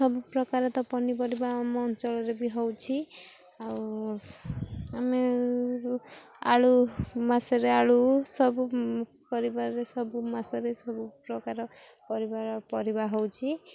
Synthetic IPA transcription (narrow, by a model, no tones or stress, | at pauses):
sɔbupɾɔkaɾɔt̪ɔpɔnipɔɾibamɔnt͡ʃɔɭɔɾebiɦɔwt͡ʃʰi | aw | ame | a̰ɭumasɔɾeaɭusɔbu | pɔɾibaɾɔɾesɔbumasɔɾesɔbupɾɔkaɾɔ | pɔɾibaɾɔpɔɾibaɦɔwt͡ʃʰi